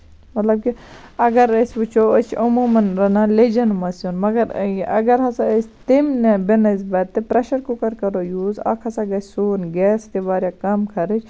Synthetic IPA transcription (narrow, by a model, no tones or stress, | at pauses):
mɐt̪lɐb̚ki | ɐɡɐɾɐsʲput͡ʃʰoːɐt͡ʃʰɐmuːmɐnɾɐnaled͡ʒɐnmɐsunmɐɡɐɾʔɐɡɐɾɦɐsaɐsʲt̪imnebenɐzbɐt̪ːepɾɐʃɐɾkukɐɾkɐɾoːjuːzɐ̰kʰɐsaɡɐsʲsoːnɡɛːsk̪eʋaːɾjakɐmkʰɐɾɨt͡ʃʰ